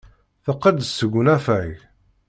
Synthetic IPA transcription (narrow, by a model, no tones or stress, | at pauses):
θəqːəd̪əsəɡʷənæfæʝ